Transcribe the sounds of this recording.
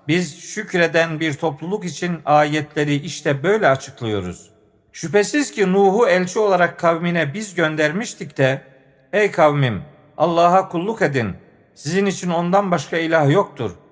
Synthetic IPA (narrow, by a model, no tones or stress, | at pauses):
bizʃycɾe̞d̪ænbiɾt̪ʰo̞plˠulˠukit͡ʃʰinaːjɛt̪ʰlʲe̞ɾiiʃt̪ʰɛbø̞jlʲɛat͡ʃʰɯ̥klˠɯjo̞ɾṵz̥ | ʃypesizcʰinuːɦuɛlʲt͡ʃʰio̞lˠaɾakʰːawminɛbizɟønd̪æɾmiʃt̪ʰicd̪ɛ | ejkʰavmim | alˠːaːɦakʰulˠːuke̞d̪in | sizinit͡ʃʰino̞nd̪anbaʃkʰailʲahjo̞k̚t̪ʰṵɾ̥